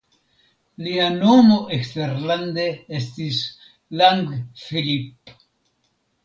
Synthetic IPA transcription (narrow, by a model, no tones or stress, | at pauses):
lianomoʔekst̪eɾland̪eest̪is | laŋɡfilip